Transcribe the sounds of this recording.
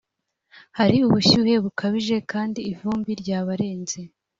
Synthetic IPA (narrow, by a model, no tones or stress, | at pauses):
haɾiuβuɕuːhe̞βukʰaβiʒe̞kaːndiːvuːmbiɾɟaːβaɾe̞ːnze̞